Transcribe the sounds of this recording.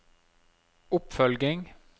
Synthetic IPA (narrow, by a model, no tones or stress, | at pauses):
ʊpfœlɡɪŋ